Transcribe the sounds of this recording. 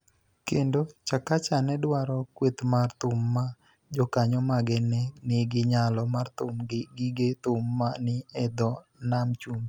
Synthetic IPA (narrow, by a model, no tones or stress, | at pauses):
kendot͡ʃakat͡ʃanɛdwaɾɔkwet̪mart̪ʊmːa | d͡ʒɔkaɲɔmaɡɛnɛnɪɡɪɲalɔmart̪ʊmɡɡɪɡet̪ʊmːanɪɛd̪ɔ | namt͡ʃum